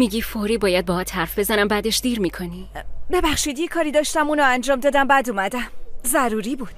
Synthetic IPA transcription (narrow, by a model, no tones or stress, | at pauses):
miːɡifoɾiːbɒːjæd̪̚bɒːhɒːt̪ʰhæɾfbe̞zænæmbæd̪eʃd̪iːɾmiːkʰo̞nibe̞bæχʃiːd̪jekʰɒːɾiːd̪ɒːʃt̪æmuːnɒːænd͡ʒɒːmd̪ɒːd̪æmbæd̪uːmæd̪æmzæɾuːɾiːbuːd̪̥